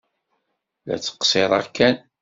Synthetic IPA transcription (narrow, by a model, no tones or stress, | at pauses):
læ̰t͡sːə̥qsˤeɾˤɑ̰ʁkːæn